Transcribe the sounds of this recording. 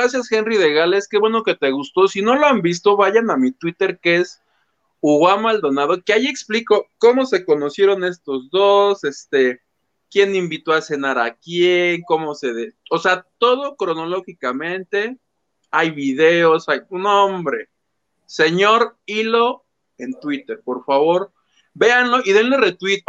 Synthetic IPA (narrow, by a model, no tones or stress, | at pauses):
ɾasjasxe̞nriðe̞ɣaleske̞βwe̞no̞ke̞t̪e̞ɣust̪o̞sino̞loambist̪o̞βaʝanamit̪wit̪e̞ɾkees | uɣwamald̪o̞naðo̞keajie̞kspliko̞ko̞mo̞se̞ko̞no̞sje̞ɾo̞ne̞st̪o̞zðose̞st̪e | kje̞nĩmbit̪oase̞naɾakjeŋko̞mo̞seðeoseat̪o̞ð̞o̞kɾo̞no̞lo̞xikamẽ̞nt̪e̞ | ajβiðe̞o̞sajnõmbɾe̞ | se̞ɲo̞ɾilo | ent̪wit̪e̞ɾpo̞ɾfaβo̞ɾ | be̞anlo̞ʔiðenle̞re̞t̪wit̪̚